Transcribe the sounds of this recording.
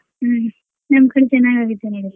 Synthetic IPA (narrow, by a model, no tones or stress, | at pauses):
nɐmɐkɐɽet͡ʃɐnːaːɡaːɡit̪ːenoɽi